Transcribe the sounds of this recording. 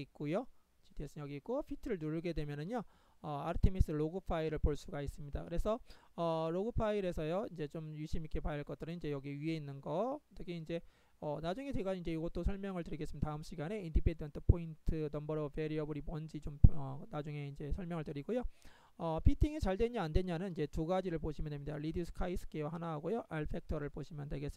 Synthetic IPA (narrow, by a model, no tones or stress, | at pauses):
ik̚k͈ojot͡ɕidʰies͈ɯjʌɡiik͈opʰitʰɯɾɯɭnuɾɡe̞dwe̞mjʌnɯnjo | ʌaɾɯtʰemis͈ɯɾɭoɡɯpʰaiɾɯɭpoɭs͈uɡais͈ɯmɲidakɯɾe̞sʰʌʌɭoɡɯpʰaiɾe̞sʰʌjoind͡ʑe̞t͡ɕomjuɕʰimik͈ʰe̞pajaɭk͈ʌt͈̚ɯɾɯniɲd͡ʑe̞jʌɡiie̞inːɯnɡʌtʰɯkeind͡ʑe̞ | ʌnad͡ʑuŋe̞dweɡanind͡ʑe̞iɡʌt͈osʰʌɭmjʌŋɯɭtɯɾiɡesɯmjdataɯmɕ͈ʰiɡane̞indipʰendʌntʰɯpʰointʰɯnʌmbʌɾʌbe̞ɾiʌbɯɾimwʌnd͡ʑit͡ɕomʌnad͡ʑuŋe̞ind͡ʑe̞sʰʌɭmjʌŋɯɭtɯɾiɡojo | ʌpʰitʰiŋit͡ɕaɭdwe̞ɲiandweɲanɯnind͡ʑe̞tuɡad͡ʑiɾɯɭpoɕʰimjʌndʰemɲidaɾidiusʰɯ̥kʰais͈ʰɯ̥k͈ewahanaɦaɡojoʔaɭpʰe̞k̚tʰʌɾɯɭpoɕʰimjʌndweɡes͈ɯ